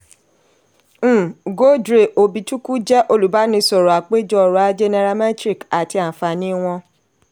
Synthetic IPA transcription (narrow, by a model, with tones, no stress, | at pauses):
ɡo˦dɾe˨ʔo˧bi˧tu˦ku˦d͡ʒɛ˦ʔo˧lu˨ba˨˦nĩ˧sɔ˨ɾɔ˨a˨k͡pe˦d͡ʒɔ˦˨ɾa˨˦d͡ʒe˧nɛ˧ɾa˧mɛ̃˦tɾi˦˨ka˨ti˧a˨fa˧nĩ˦w̃ɔ̃˧